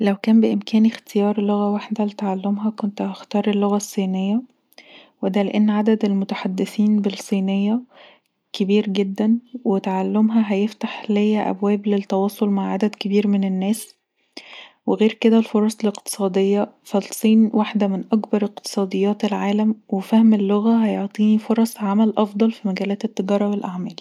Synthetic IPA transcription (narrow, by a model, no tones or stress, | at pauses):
læwkæːmbeʔemkæːnext̪ejɑːɾˤloɣæwaħd̪ælet̪aʕalːomɦækont̪hɑxt̪ɑːɾˤelːoɣæsˤːiːnejːæ | wed̪æleʔenːʕad̪æd̪elmot̪aħad̪ːeθiːnbelsˤːiːnejːæ | kebiːɾɡed̪ːænwet̪aʕalːomɦæɦæjeft̪aħlejːæʔæ̰bwæːblet̪ːɑwɑːsˤolmaʕʕad̪æd̪kebiːɾmenenːæːs | weɣeːɾked̪ælfoɾˤɑsˤeleqt̪e̥sˤɑːd̪ejːɑfælsˤiːnwaħd̪æmenʔɑkbɑɾˤeq̚t̪e̥sˤɑːd̪ˤejːɑːt̪elʕaːlæmwefæhmelːoɣæɦæjoʕt̪ˤiːnifoɾˤɑsˤʕamælʔɑfd̪ˤɑlfimæɡæːlæːt̪et̪ːeɡɑːɾˤɑwelʔaʕmæːl